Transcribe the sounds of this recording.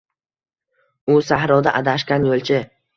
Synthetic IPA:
ʊsahɾɒwd̪aʔad̪aʃkʲanjolˠt͡ʃʰɪ

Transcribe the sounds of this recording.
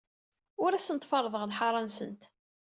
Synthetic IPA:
ʊɾæsənt̪fɑrˤːəðˤəʁðħɑɾˤɑnsənt̪

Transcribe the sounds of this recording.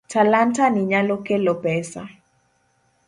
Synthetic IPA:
tʰalantaniɲalɔkɛlɔbɛsa̰

